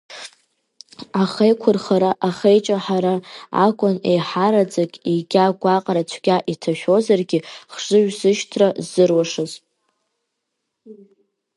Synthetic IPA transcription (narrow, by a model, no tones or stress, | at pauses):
aχejkʷʰʊrχaɾaʔaχejt͡ʃʼaħaɾaa̰kʷʼʊnejħaɾad͡zʼakʲʼiɡʲaɡʷaqʼrat͡ʃʷʰɡʲaʔitʰaʃᶣo̞zarɡʲiχʐʷɨɥᶣzɨʃtʰrazɨrwaʂɨzʼ